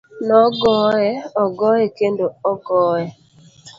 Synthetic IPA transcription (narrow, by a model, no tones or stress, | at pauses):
nɔɡɔɛɔɡɔekendoɔɡɔːɛ